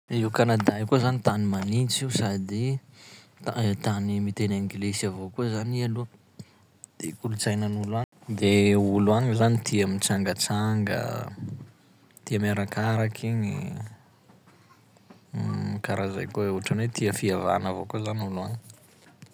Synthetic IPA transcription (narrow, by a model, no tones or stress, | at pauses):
iukanad̪aikuzanit̪animanit͡siusad̪i | t̪at̪animit̪eniŋɡlesavokuzanialuə | d̪̥ekulut͡sajnənuluaŋid̪euluaŋizanit̪ʰiamit͡saŋɡət͡saŋɡə̰ | t̪iamaɾakaɾakʰiɲḭ | mkaɾaza̰jkuuaʈ͡ʂanwet̪iəfiava̰navokuzanulaŋi